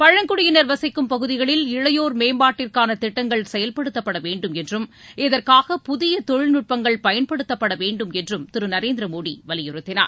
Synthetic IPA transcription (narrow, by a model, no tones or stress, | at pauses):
pɐɻɐŋkʊɽɪjɪnɐɾʋɐsɐɪkːɯmpɐɣɯðɪɣɐɭɪlɪɻɐjoːɾmeːmbaːʈːɪrkaːnɐt̪ɪʈːɐŋɡɐɭsɛjɐlpɐɽɯt̪ːɐpːɐɽɐʋeːɳɖɯmɛndrɯmɪðɐrkaːɣɐpʊðɪjɐt̪ɔɻnʊʈ̚pɐŋɡɐɭpɐjɐnpɐɽɯt̪ːɐpːɐɽɐʋeːɳɖɯmɛndrɯmt̪ɪɾɯnɐɾeːnd̪ɾɐmoːɽḭʋɐlɪjɯɾɯt̪ːɪna̰ː